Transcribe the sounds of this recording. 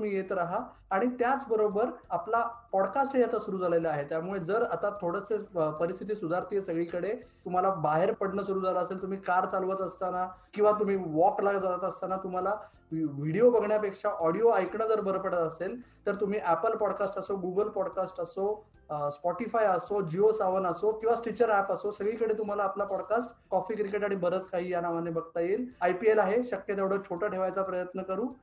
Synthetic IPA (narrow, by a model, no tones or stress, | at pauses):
m̤iːjet̪ɾaɦaː | ɽ̃it̪jat͡sbəɾobəɾaplapɔɽkasʈjat̪asuɾuːd͡zʱalajlaaɦet̪jamuɭed͡zəɾat̪at̪ʰoɽəsepəɾist̪ʰit̪̬iːsud̪ʱaɾt̪isəɡɭikəɽet̪um̤alabaɦeɾpəɽɳəsuɾuːd͡zalaəselt̪um̤iːkaɾt͡salʋət̪əst̪anakĩw̃ʋat̪um̤iːʋɔklaɡd͡zat̪at̪əst̪anat̪um̤ala | ʋiɽijobəɡɳjapekʂaʔɔɽijoajkɳəd͡zəɾbəɾəpəʈət̪əselt̪əɾt̪um̤iːʔæpəlpɔɽkasʈəsoɡuɡəlpɔɽkasʈəso | spɔʈifajəsod͡ʑiosaʋənəsokĩw̃ʋasʈit͡ɕəɾæpəsosəɡɭiːkəɽet̪um̤alaːplapɔɽkasʈkɔfiːkɾikeʈaɽ̃ibəɾət͡skaɦiːjanaʋanːebəɡ̚t̪ajelajpielaɦeɕəkjət̪eʋɽ̤ət͡ɕʰoʈaʈʰeʋajt͡sapɾəjət̪nəkəɾuː